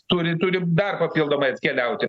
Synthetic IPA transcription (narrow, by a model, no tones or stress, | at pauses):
t̪ʊɾʲɪt̪ʊɾʲɪd̪ɐrpɐpʲiːlˠd̪oːmɐɐt̪ʲkʲɛlʲɛʊt̪ʲɪ